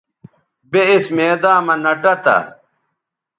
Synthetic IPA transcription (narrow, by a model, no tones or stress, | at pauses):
beismeːd̪aːmɐnɐʈɐt̪ɐ̰